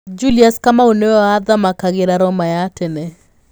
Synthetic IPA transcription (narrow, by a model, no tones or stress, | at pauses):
d͡ʒuliaskamaonead̪amakaɡɪɾaɾɔmajatɛnɛ